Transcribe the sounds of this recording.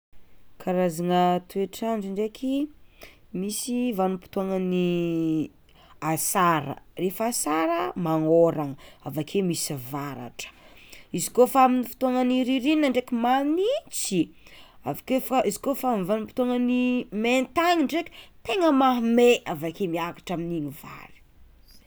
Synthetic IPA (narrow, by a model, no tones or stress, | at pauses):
kʰaɾazaŋət̪ueʈ͡ʂaɳd͡ʒiɳɖ͡ʐekʰi | misivanupi̥t̪uaŋəni | asaɾə̰refasaɾəmaŋoɾaŋəavakʰemisivaɾa̰ʈ͡ʂə̥izikofaaminifi̥t̪uaŋaniɾiɾininəɳɖ͡ʐekimanit͡siavakefizi̥kofamvanupi̥t̪uaŋaniment̪aŋiɳɖ͡ʐekʲi̥t̪eŋəmaɦmeavakemiakḁʈ͡ʂaminiɲiva̰ɾi̥